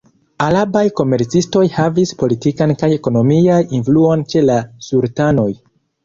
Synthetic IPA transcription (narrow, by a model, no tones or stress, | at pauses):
alabajko̞me̞ɾt͡sisto̞jhavispo̞litikankajeko̞no̞miajinfluo̞nt͡ʃe̞lasuɾtano̞j